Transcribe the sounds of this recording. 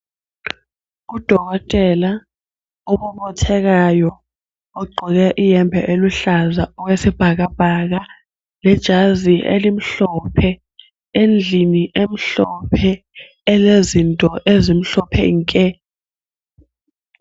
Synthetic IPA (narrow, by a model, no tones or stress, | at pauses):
k̬ud̥ʱɔk̬ɔtʼɛla | ɔɓɔɓɔtʰɛk̬ajɔ | oɡ͡ǃʱɔk̬ɛʔijɛmbʱɛʔeluɬazaɔk̬wesib̥ʱak̬ab̥ʱak̬a | lɛd̥ʒ̥ʱaziʔḛlim̩ɬɔpʰɛ | end͡ɮʱiniʔem̩ɬɔpʰɛ | ɛlezintʼɔʔezim̩ɬɔpʰɛ̰ŋkʼɛ